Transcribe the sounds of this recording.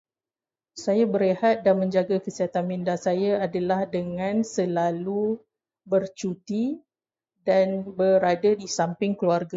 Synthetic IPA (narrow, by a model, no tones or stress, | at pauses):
sajabəɾehat̪̚danmə̃ɲd͡ʒaɡakəsiɦat̪anmindasajaadalahdəŋãnsəlalu | bərt͡ʃut̪i | danbəɾadadisampɪŋkluarɡa